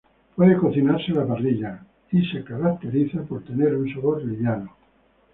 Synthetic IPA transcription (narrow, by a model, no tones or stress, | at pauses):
pweðekoθinaɾselapariʎa | isekaɾak̚t̪eɾiθapoɾt̪eneɾunsaβoɾliʎano